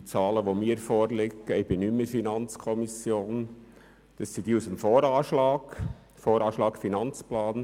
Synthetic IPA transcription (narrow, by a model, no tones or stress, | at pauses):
t͡sɑːləʋomiːəɾfoːɾlɪɡəɪb̥ɪnyməfinɑnt͡skʰɔmisjoːn | d̪̥ɑssid̥iːusəmfoːɾɑːʃlɑːɡ̥ | foːɾɑːʃlɑːkfinɑnt͡splɑːn